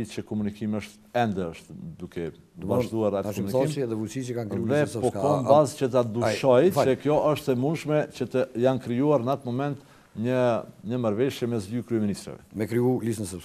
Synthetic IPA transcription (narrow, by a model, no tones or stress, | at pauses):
icəkɔmunikiməʃt̪ | ɛnd̪ɛəʃt̪d̪ukʰɛ | vaʒd̪uaɾatɔmunikimðɛvusit͡ʃəkankɾðɛppɔɔbazcət̪̬ad̪uʃɔjəkjɔʔəʃt̪ɛmund̪ʃmɛcət̪əjankɾijuaɾnat̪mɔmɛnt̪ | ɲəɲəmaɾvɛʃjɛmɛsd̪ykɾyɛminist̪ɾɛ̰vɛ̰mɛkɾiulisnəsə